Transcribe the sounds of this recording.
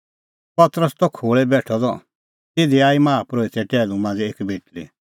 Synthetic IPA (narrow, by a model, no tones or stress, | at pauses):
pɐt̪ɾəst̪ɔkʰoːɭɛbɛːʈʰɔd̪ɔ̰ | t̪ɪd̪iaːimaːpɾoːit̪ɛʈɛːlũmãːnd͡zɛeːkbʱeːʈli